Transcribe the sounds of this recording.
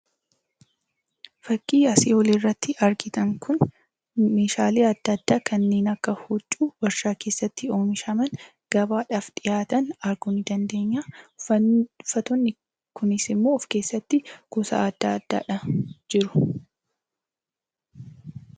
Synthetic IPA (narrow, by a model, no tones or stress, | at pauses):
fɐkʼːiːɐsiːɔliːrːɐt̪ːɪʔɐɾɡɪt̪ɐŋkʰʊn | me̞ːʃaːleːɐd̪ːɐd̪ːaːkʰɐnːe̞ːnɐkːɐhut͡ʃʼːuːbɐɾʃaːke̞ːsːɐt̪ːɪo̞ːmɪʃɐmɐn | ɡ̥ɐbaːᶑaːfᶑɪjaːt̪ɐnɐɾɡʊnɪd̪ɐnd̪e̞ːɲːaː | fɐt̪ɔnːɪ | kʊnɪsɪmːoːɔfke̞ːsːɐt̪ːɪkʊsa̰ːɐd̪ːa̰ːɐd̪ːa̰ːᶑɐd͡ʒɪɾʊ̥